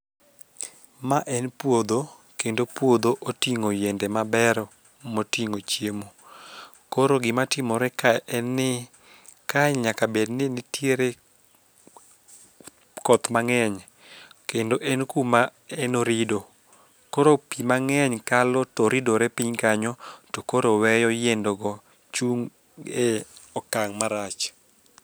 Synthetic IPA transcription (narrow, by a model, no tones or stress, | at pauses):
maʔɛnpwod̪o | kendopwod̪oʔotiŋojendemabɛɾ | motiŋot͡ʃjemo | koɾoɡɪmatɪmɔɾɛkaʔɛnːɪ | kaɲɲakabednɪnɪtjeɾe | kɔt̪maŋɛɲ | kendoʔɛnkumaɛnoɾido | koɾopimaŋɛɲkalɔtɔɾidoɾɛpiɲkaɲɔtokoɾowɛjɔjendɔɡɔ | t͡ʃuŋ | eɔkaŋmaɾat͡ʃ